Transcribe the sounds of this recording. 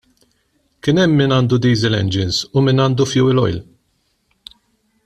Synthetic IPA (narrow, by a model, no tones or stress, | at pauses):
kɪnɛmːiːnɐːnd̪ud̪iːzɪlɛ̰nd͡ʒɪnzʊmɪːnɐːnd̪ufjʊwɪlɔ̰jl